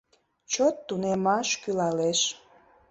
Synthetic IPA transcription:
t͡ɕot̪ːunemɑʃkylɑleʃ

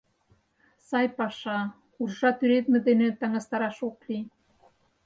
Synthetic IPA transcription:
sɑjpɑʃɑ | urʒɑt̪yɾet̪mĕd̪enĕt̪ɑŋɑst̪ɑɾɑʃokli

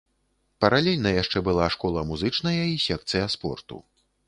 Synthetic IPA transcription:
pɐɾalʲɛlʲnɐjaʂt͡ʂɛbɨlˠaʂkɔlˠɐmuzɨt͡ʂnɐjɐisʲɛk̚t̪sɨjɐspɔ̰rt̪ṵ

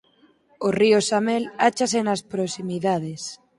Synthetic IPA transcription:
oriosamelat͡ʃasenaspɾosimiðað̞es

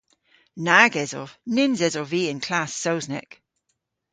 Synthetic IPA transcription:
naɡɛzɔ̰v̥nɪnzɛzɔviːɪ̃nkʰl̥asoʊznɛ̰k

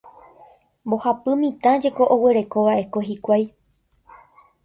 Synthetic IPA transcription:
bo̞hapɨmĩt̪ãd͡ʒe̞ko̞ʔoweɾe̞ko̞ʋaʔe̞ko̞hɦikʷaj

